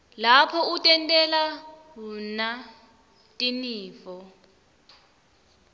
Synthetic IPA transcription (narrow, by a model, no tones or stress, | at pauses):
lapʰɔutʼɛntʼɛlaɦuna | tʼiniːfɔ